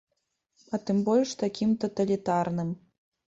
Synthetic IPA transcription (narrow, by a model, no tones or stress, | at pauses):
ɐt̪ɨmbɔlʲʂt̪akʲimt̪ɐt̪ɐlʲit̪arnɨm